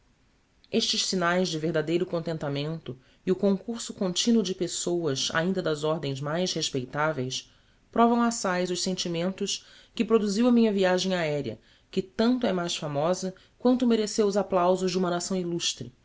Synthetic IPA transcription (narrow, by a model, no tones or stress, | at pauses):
eʃt͡ʃɪʃsinajzd͡ʒɪveɾd̪ad̪ejɾʊkõnt̪ẽnt̪amẽnt̪ʊ | ɪʊkõŋkuɾsʊkõnt͡ʃĩnwʊd͡ʒɪpesowɐza̰ĩnd̪ɐd̪ɐzɔɾd̪ẽj̃zmajsheʃpejt̪avejs | pɾɔvɐ̃w̃asajzʊʃsẽnt͡ʃimẽnt̪ʊʃ | kɪpɾod̪uziwɐmĩɲɐviaʒẽj̃aɛɾiɐ̰ | kɪt̪ɐ̃nt̪ʊɛmajsfamɔzɐ | kwɐ̃nt̪ʊmeɾesewʊzaplawzʊʒd͡ʒɪumɐnasɐ̃w̃iluʃt̪ɾɪ